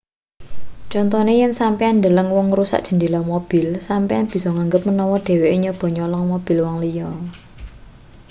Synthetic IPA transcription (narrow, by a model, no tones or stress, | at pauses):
t͡ʃɔnt̪ɔnejɪnsampeand̪ələŋwɔŋɾusa̰ʔ̚dʒ̥ə̤nd̪ilamob̥ɪ̤lsampeanb̥i̤sɔŋaŋɡəp̚mənɔwɔɖ̥e̤weʔiɲəb̥ɔ̤ɲɔlɔŋmob̥i̤lwɔŋlijɔ